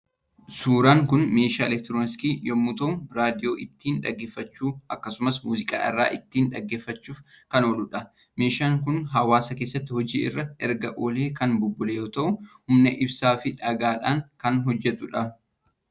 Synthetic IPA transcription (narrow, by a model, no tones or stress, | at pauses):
suːɾaːŋkʊnme̞ːʃaːɛlɛk̚t̪ɪɾoːnɪskiːjɔmːut̪ɐʊɾaːd̪ɪjo̞ːʔɪt̪ːiːnᶑɐ̰ɡːeːfːɐt͡ʃːuːɐkːɐsʊmɐsmuːzɪkʼa̰ːʔɪ̰rːa̰ːʔɪt̪ːiːnᶑɐɡːe̞ːfːɐt͡ʃːuːfkɐno̞ːlʊᶑɐ | me̞ːʃaːŋkʊnɦɐwaːsɐke̞ːsːɐt̪ːɪhɔd͡ʒḭːʔɪ̰rːɐɛɾɡɐʔoːleːkɐnbʊbːʊleːjoːt̪ɐʔʊhʊmnɛʔɪbsaːfɪᶑɐɡaːᶑaːŋkɐnɦɔd͡ʒːɛt̪ʊᶑɐ